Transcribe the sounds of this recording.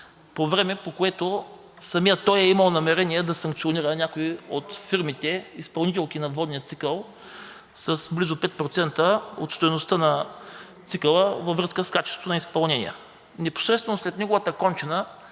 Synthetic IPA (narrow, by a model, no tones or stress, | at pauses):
povɾɛmɛpokoɛt̪o | sɐmijət̪ɔjɛiməlˠnɐmɛɾɛnʲiɛd̪ɐsɐŋk̚t̪sʲioniɾənʲakoiot̪fiɾmit̪ɛispɐlˠnit̪ɛlˠkinɐvɔd̪nijət̪sikəlˠ | sɐsblizopɛt̪̚pɾot̪sɛnt̪əo̰t̪st̪ojnost̪ənɐt̪sikəlˠəvɐvɾɤskəskat͡ʃɛst̪t̪onɐispɐlˠnɛnḭjə̰ | nɛpo̥sɾɛt̪st̪vɛnoslɛt̪nɛɡovət̪əkɔnt͡ʃɛnə